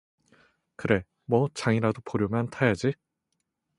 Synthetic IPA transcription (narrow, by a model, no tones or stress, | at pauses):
kɯɾe̞ | mwʌt͡ɕaŋiɾadopoɾjomjantʰajad͡ʑi